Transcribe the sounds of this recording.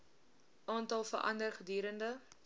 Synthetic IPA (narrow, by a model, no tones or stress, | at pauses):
ʔɑːntɐlˠfə̰rʔɐ̰ndərχədyːɾəndə